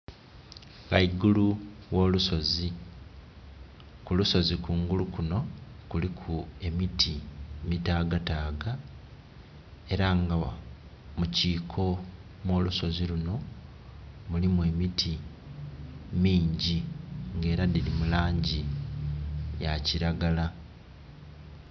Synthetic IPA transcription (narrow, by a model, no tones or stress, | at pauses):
ɡaiɡuluwo̞ːluso̞zi | kuluso̞zikuːŋɡulukuno̞kulikʰue̞mitimitaːɡataːɡa | e̞ɾaŋɡa | muciːkʰo̞ | mwo̞ːluso̞ziluno̞ | mulimue̞mitʰi | miːɲɟiŋɡe̞ːɾadilimulaːɲɟi | jaciɾaɡala